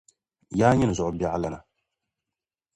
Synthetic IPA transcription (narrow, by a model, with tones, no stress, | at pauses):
jaː˦ɲɪ˦n˨zʊ˨ʔʊ˨ba˦ʔa˦la˦na˨